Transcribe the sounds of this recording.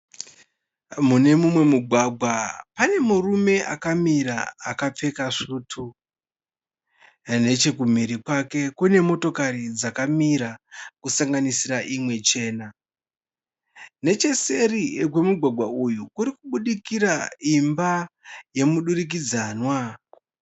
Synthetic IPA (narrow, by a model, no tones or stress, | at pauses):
mune̞mumwe̞muɡʱwaɡʱwapane̞murume̞ʔakamiɾaːkap͡fe̞kaʂuːtʰu | ne̞t͡ʃe̞kum̤iɾikwake̞kune̞mo̞to̞kaɾid͡zakamiɾakusaŋɡanisiraʔimwe̞t͡ʃe̞ːna | ne̞t͡ʃe̞se̞rikwe̞muɡʱwaɡʱwaujukuɾikuɓuɗikiɾaimbaje̞muɗuɾik̬id͡zaːnwa